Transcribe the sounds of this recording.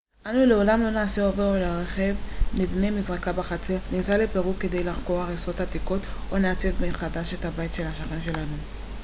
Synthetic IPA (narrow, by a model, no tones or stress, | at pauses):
ʔanule̞o̞lamlo̞naːseoveʁoleʁeχe̞vnidnemizʁakabaχat͡seʁnisalepeʁukːe̞dejlaχko̞ʁaχeso̞t̪hat̪iko̞tʔoneat͡se̞vmeχadaʃe̞thabait̪ʃe̞laʃaχenʃe̞lanu